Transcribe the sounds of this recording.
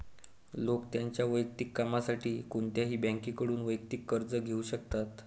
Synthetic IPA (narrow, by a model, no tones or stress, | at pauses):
lokt̪jaɲt͡ɕjaʋəjk̚t̪ikːamasaʈʰiːkuɳt̪jaɦiːbãŋkiːkəɽuːnʋəjk̚t̪ikːəɾd͡zəɡʱeuɕək̚t̪at̪